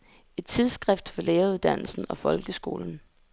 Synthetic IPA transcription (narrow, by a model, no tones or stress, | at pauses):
e̝d̥̚t͡sʰið̞ˠsɡ̥ʁɛfd̥fɒ̽leːɐuð̞ˠd̥æn̰l̩sn̩ɒ̽fɒ̽lɡ̥əsɡ̥o̝̰ːln̩